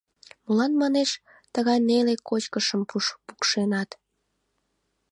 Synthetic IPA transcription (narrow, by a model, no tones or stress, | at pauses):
mulɑnmɑneʃ | t̪əɣɑjnelekot͡ɕkəʃəmpuʃpukʃenɑt̪